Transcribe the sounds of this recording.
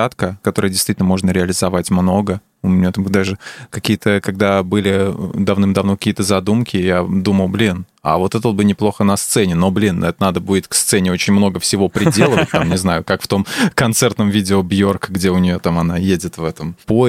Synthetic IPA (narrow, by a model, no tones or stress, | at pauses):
at̪kəkɐt̪o̞ɾəjədʲɪst̪vʲitʲɪnəmo̞ʐnəɾʲɪɐlʲɪzɐvatʲmno̞ɡə | ʊmʲɪnʲjat̪amd̪aʐɨkɐkʲijət̪ʰəkɐɡd̪abɨlʲɪ̰d̪ɐvnɨmd̪ɐvnokɐ̥kʲijət̪əzɐd̪umkʲɪjad̪uməlˠblʲin | a̰vo̞t̪ɛt̪ot̪bɨnʲɪplˠo̞xənɐst̪sɛnʲɪno̞blʲinɛt̪ənad̪əbudʲɪt̪kst̪sɛnʲɪo̞t͡ɕɪnʲmno̞ɡəfsʲɪvo̞pɾʲɪdʲelˠəvət̚ʲt̪amnʲɪznajʊkakft̪o̞mkɐnt̪sɛrt̪nəmvʲidʲɪobjo̞rkəɡdʲeʊnʲɪjot̪amɐnajedʲɪt̪vɛt̪əmpo